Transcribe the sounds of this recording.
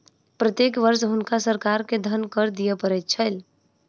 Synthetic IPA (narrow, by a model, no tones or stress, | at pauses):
pɾət̪jekʋəɾsɦunkasəɾkaɾked̪ʱənkəɾd̪ijepəɾɛt̪̚t͡ʃʰəl